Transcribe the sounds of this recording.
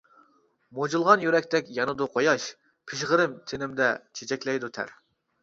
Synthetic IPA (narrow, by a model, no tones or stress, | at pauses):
mod͡ʒulˠʁɑnjyɾɛkʲt̪ʰɛkʲjɑnɨd̪uqʰojɑʃ | pʰɪʃʁəɾɪmt̪ʰenɪmd̪ɛt͡ʃʰet͡ʃʰɛkʲlɛjd̪ut̪ʰæ̰ɾ